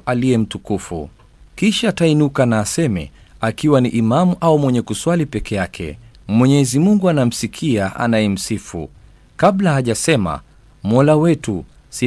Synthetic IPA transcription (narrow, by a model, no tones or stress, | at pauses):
ʔalijɛm̩tukufṵ | kiʃaːtainukanaːsɛmɛ̰ | akiwaniʔimamuʔaumwɛɲɛkuswalipɛkɛjakʰɛ̰ | mwɛɲɛzimuŋɡuanam̩sikʰiaʔa̰najɛm̩sifṵ | kablahaʄasɛma̰ | mɔlawɛtu | si